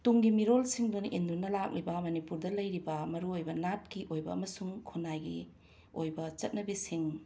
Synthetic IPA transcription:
tuŋɡimiɾolsiŋdonʔendunɐlak̚nibɐmɐnipuɾdɐlɐjɾibɐmɐɾuojbɐnat̚kiʔojbɐ̰ɐ̰mɐsuŋkʰonajɡḭ | ojbɐt͡ʃɐt̚nɐbisiŋ

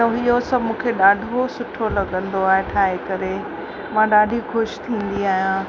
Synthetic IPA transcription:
ɐɪɦosɐbʱmũːkʰeɗaːɖʱosʊʈʰolɐɡə̃nd̪oaːɦeʈʰaːɦekɐɾe | mãɗaːɖʱixʊʃt̪ʰĩːn̆d̪iaːɦijã

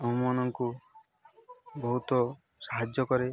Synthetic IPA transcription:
ɔɦumanɔŋku | bɔɦut̪ɔ | saɦad͡ʒjɔkɔɾe

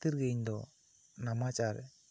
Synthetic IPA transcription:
t̪iɾɡɛɲd̪ɔ | namat͡ʃʼaɾ

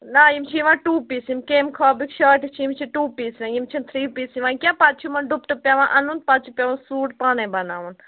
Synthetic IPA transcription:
naːjimt͡ʃʰiiʋãʈuːpiːsimkeːmkʰaːbikʃaːʈikt͡ʃʰiimt͡ʃʰiʈuːpiːsʋãjimt͡ʃʰint̪ʰɾiːpiːsiʋãnkjaːpat̪̚t͡ʃʰimɐnɖupʈɐpʲjaʋãnʔɐnun̚pat̪̚t͡ʃʰipʲaʋãsuːʈpaːnebɐnaːʋun

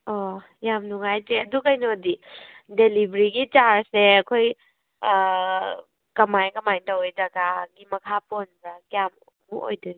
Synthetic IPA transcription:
ɔ | jamnuŋajd͡ʒeɐdukɐjnodi | delibɾiɡit͡ʃaɾseɐkʰoj | kɐmajnkɐmajntɐwejdɐɡaɡimɐkʰaponbakjam | muʔo̰jdɐɡi

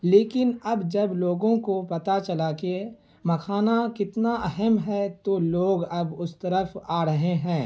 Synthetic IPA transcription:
leːkɪnɐbd͡ʒɐbloːɡõkopɐt̪at͡ʃɐlaːke | mɐkʰaːnakɪt̪naʔɛɦəmɦɛt̪oloːɡɐbʊst̪ɐɾəfʰaːɾɐɦeɦɛ̃ː

